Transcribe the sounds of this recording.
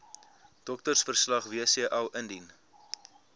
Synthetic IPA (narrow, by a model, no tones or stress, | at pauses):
d̥ɔk̚tərsfərslɐχviəsiəʔɐlʔəndin